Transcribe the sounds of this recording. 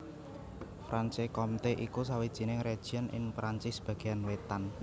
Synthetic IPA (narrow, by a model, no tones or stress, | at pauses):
fɾʔansekɔmt̪eʔikus̬awid̥ʒ̥i̤nɪŋred̥ʒ̥i̤ɔnʔɪ̰ŋpɾant͡ʃɪsb̥a̤ɡ̥e̤janwet̪an